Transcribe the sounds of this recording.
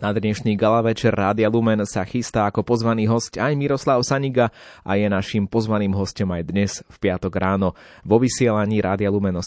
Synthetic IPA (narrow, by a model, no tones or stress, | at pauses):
nad̪ɲɛʃɲiːɡalaʋɛt͡ʃɛrːaːd̪ɪalumɛnsaxist̪aːakɔpɔzʋaniːɦɔscajmiɾɔslaʊsaɲiɡaa̰jɛnaʃimpɔzʋaniːmɦɔscɔmajd̪ɲɛzfpɪat̪ɔɡɾaːnɔ | ʋɔʋisɪɛlaɲiːɾʔaːd̪ɪalumɛnɔ